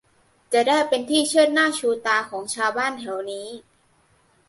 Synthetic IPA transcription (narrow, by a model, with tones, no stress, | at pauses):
t͡ɕa˨˩daː˥˩jpe˧nt̪ʰiː˥˩t͡ɕʰɯ˥˩ənnaː˥˩t͡ɕʰuː˧t̪aː˧kʰɔː˩˦ŋt͡ɕʰaː˧wbaː˥˩nt̪ʰɛ˩˦wniː˦˥